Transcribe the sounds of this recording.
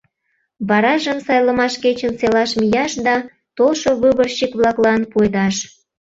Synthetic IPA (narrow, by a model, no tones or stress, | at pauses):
βɑɾɑʒəmsɑjləmɑʃket͡ɕənselɑʃmijɑʃd̪ɑ | t̪olʃoβuβərɕikβlɑklˠɑnpojd̪ɑʃ